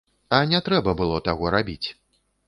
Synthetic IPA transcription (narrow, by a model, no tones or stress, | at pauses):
ɐnʲɛt̪ɾɛbɐbɨlˠɔt̪aɣɔɾabʲit͡sʲ